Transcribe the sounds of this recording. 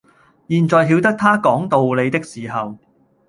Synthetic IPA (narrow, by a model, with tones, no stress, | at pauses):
jiː˨nt͡sɔː˨jɦi˨˧˥wt̪ɐ˥k̚t̪ʰaː˥kɔː˨˥ŋt̪o˨wle˨˧jt̪ɪ˥k̚siː˨ɦɐ˨w